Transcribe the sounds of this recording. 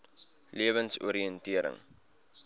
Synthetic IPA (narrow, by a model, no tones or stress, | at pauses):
liəvənsṵəɾiəntiəɾə̰ŋ